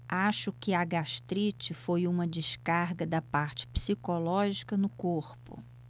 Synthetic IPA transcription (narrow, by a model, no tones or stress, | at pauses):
aʃʊkɪɐɡaʃt̪ɾit͡ʃɪfojũmɐd͡ʒɪʃkaɾɡɐd̪ɐpaɾt͡ʃɪ̥psikolɔʒikɐnʊkoɾpʊ̰